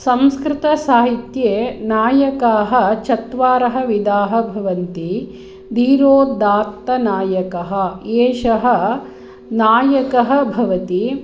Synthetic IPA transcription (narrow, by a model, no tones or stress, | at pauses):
sɐmskɾɪt̪ɐsaːɦit̪jeːnaːjɐkaːɦɐ̆t͡ʃɐt̪ʋaːɾɐɦɐ̆ʋid̪aːɦɐ̆bʱɐʋɐnt̪i | d̪ʱiːɾoːd̪aːt̪ːɐnaːjɐkɐɦɐ̆eːʃɐɦɐ | naːjɐkɐɦɐ̆bʱɐʋɐt̪i